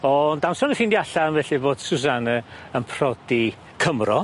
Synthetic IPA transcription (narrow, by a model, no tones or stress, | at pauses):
ɔndansɔnəfɪndiaɬanvɛɬiboːd̥sus̬anəənpʰr̥ɔd̥i | kʰəmrɔ